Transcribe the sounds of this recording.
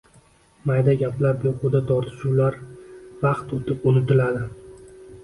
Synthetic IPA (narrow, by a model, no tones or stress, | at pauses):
majd̪aɡʲaplaɾbeqʊd̪at̪ʰɒɾt̪ʰɪ̥ʃuwlaɾvɑqt̪ot̪ʰɪpʊnɪt̪ɪlad̪ɪ